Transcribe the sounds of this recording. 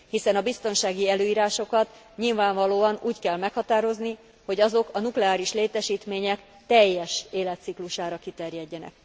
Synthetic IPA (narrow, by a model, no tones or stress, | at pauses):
hisɛnɒbist̪o̞nʃaːɡiɛløːiːɾaːʃo̞kɒt̪ | ɲilvaːɱvɒloːɒnuːckɛlmɛkhɒt̪aːɾo̞zni | ho̞ɟɒzo̞kɒnuklɛaːɾiʃleːt̪ɛʃiːt̪meːɲɛk | t̪ɛjːɛʃeːlɛt̪sikluʃaːɾɒkit̪ɛrjɛɟːɛnɛ̰k̚